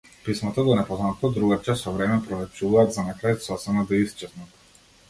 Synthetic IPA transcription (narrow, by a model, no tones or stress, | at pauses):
pismat̪ad̪ɔnɛpɔznat̪ɔd̪ɾuɡat͡ʃasɔvɾɛmɛpɾɔlɛp̚t͡ʃuvaːd̪zanakɾaj̪sɔsɛnad̪ɔist͡ʃɛt̪nat̪